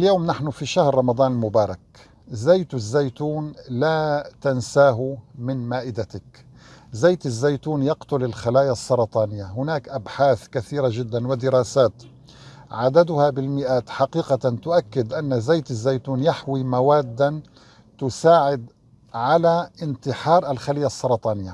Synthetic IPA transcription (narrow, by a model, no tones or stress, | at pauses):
ɪljoːmnaħnʊfiʃahɾːˤɑmɑd̪ˤɑːnɪlmʊbɑːɾˤɑk | zajt̪zːajt̪uːnlaːt̪ansaːɦʊmɪnmaːʔɪd̪at̪ak | zaːt̪ɪzːajt̪uːnjɑqt̪ʊlɪlxalaːjasˤːɑɾˤɑt̪ˤɑːnɪjːaɦʊnaːkʔabħaːθkaθiːɾaʒɪd̪ːanwɪd̪ɪɾɑːsaːt̪ | ʕad̪ad̪ʊhabɪlmɪʔaːt̪ħaqiːqat̪ʊʔakːɪd̪ʔanːazajt̪azːajt̪uːnjaħwimawaːd̪ːan | t̪ʊsaːʕɪd̪ | ʕalaʔɪnt̪ɪħɑːɾˤʔalxalɪjːasˤːɑɾˤɑt̪ˤɑːnɪjːa